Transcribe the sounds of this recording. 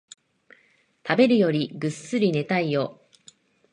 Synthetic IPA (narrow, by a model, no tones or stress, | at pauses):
t̪abe̞ɾɯ̟jo̞ɾʲiɡɯ̟sːɨɾʲine̞t̪aijo̞ː